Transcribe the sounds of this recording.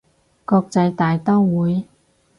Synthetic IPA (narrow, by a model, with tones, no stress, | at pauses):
kɔː˧k̚t͡sɐ˧jt̪aː˨jt̪ɔ˥wwuː˨˥j